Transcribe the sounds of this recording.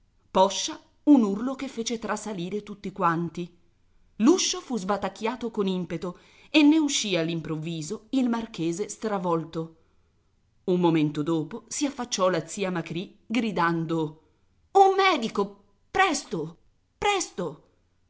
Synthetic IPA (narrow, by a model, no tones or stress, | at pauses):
pɔʃːa | unurlokefːeːt͡ʃet̪ɾasaliːɾet̪ut̪ːikwant̪i | luʃːofuzbat̪ːakːjaːt̪okonimpet̪o | enːeuʃːialːimpɾovːiːzoilmark̟eːzest̪ɾavɔlt̪o | umːoment̪od̪oːposiafːat͡ʃːɔlat̪sːiːamakɾi | ɡɾid̪and̪o | umːɛːd̪iko | pɾɛst̪o | pɾɛst̪o